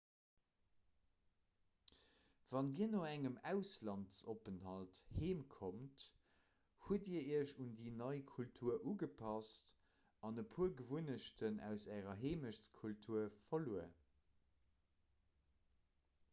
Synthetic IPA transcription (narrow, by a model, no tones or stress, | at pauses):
v̥ɑndiːɐnoːæŋəmæʊslɑntsopənhɑltheːmkʰomt | huədiːɐiːɐʃundiːnɑɪkʰultʰuːɐʔuːɡəpʰɑst | ɑnəpʰuːɐɡəvunəʃtʰənæ̰ʊsæːʁɐɦeːməʃt͡skʰultʰuːɐfɐluə̰